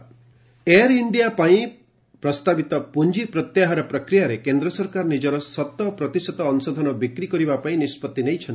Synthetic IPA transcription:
eaɾiɳɖijapaĩ | pɾɔst̪abit̪ɔpund͡ʒipɾɔt̪jaɦaɾɔpɾɔkɾijaɾekend̪ɾɔsɔɾkaɾɔnid͡ʒɔɾɔsɔt̪ːɔpɾɔt̪isɔt̪ɔːnusɔd̪ʱɔnɔbikɾikɔɾibapaĩnispɔt̪ːinejt͡ʃʰɔnt̪i̥

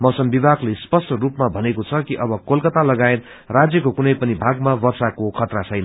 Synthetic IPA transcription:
mʌwsʌmbibʱaklespʌsʈʌrupmabʱʌnekot͡sʰʌkiʔʌbʌkolkʌt̪alʌɡaet̪̚ | rad͡zjʌkokunʌjpʌnibʱaɡmabʌrsakokʰʌt̪rat͡sʰʌjnʌ

